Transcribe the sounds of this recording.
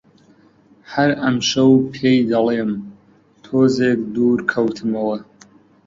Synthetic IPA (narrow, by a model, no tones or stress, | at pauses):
hɐɾɐmʃɐwpʰeːjd̪ɐlˠeːm | t̪ʰoːzeːkd̪uːɾkʰɐwt̪ʰɨmɐwɐ